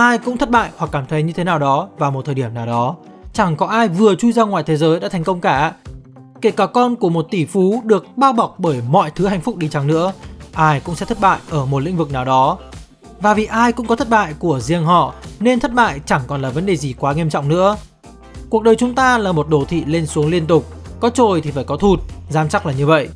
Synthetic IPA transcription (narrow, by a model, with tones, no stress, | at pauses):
ʔaː˧jkʊ̰˧˥ŋ͡mt̪ʰə˦˥t̚ɓa̰ː˧˨jhwa˨˩kːaː˧˩mt̪ʰə˨˦jɲɨ˧t̪ʰe˨˦naː˨˩wɗɔ˨˦vaː˨˩mo˨˩t̪ʰəː˨˩ɗi˧˩əmnaː˨˩wɗɔ˨˦ | t͡ɕa˧˩ŋkɔ˨˦ʔaː˧jvɨ˨˩ət͡ɕu˧jzaː˧ŋwa̰ː˨jt̪ʰe˨˦zəː˨˦jɗa̰ː˧˥t̪ʰŋkə˧wŋ͡mkaː˧˩ | ke˧˩kaː˧˩kɔ˧nku˧˩əmo˨˩t̚t̪i˧˩fu˨˦ɗɨ˨˩ək̚ɓaː˧wɓa˨˩wk͡p̚ɓəː˧˩jmɔ̰˧˨jt̪ʰɨ˨˦ha̰˧˨jŋ̟fʊ˦˥k͡p̚ɗi˧t͡ɕa˨˦ŋnɨ̰˧˥əʔaː˧jkʊ̰˧˥ŋ͡msɛ̰˧˥t̪ʰə˦˥t̚ɓa̰ː˧˨jʔəː˧˩mo˨˩t̚lḭ˧˥ŋ̟vɨ˨˩k̚naː˨˩wɗɔ˨˦ | vaː˨˩vi˨˩ʔaː˧jkʊ̰˧˥ŋ͡mkɔ˨˦t̪ʰə˦˥t̚ɓa̰ː˧˨jku˧˩əzḭ˧˩əŋɦɔ̰˧˨ne˧nt̪ʰə˦˥t̚ɓa̰ː˧˨jt͡ɕa˧˩ŋkɔ˨˩nlaː˨˩və˨˦nɗe˨˩zi˨˩kwaː˨˦ŋi˧əmt͡ɕɔ̰˧˨wŋ͡mnɨ̰˧˥ə | ku˨˩ək̚ɗəː˨˩jt͡ɕʊ˨˦ŋ͡mt̪aː˧laː˨˩mo˨˩t̚ɗo˧˩t̪ʰḭ˧˨le˧nsu˨˦əŋli˧ənt̪ʊ˨˩k͡p̚kɔ˨˦t͡ɕo˨˩jt̪ʰi˨˩faː˧˩jkɔ˨˦t̪ʰu˨˩t̚zaː˨˦mt͡ɕa˦˥k̚laː˨˩ɲɨ˧və̰˧˨jʔ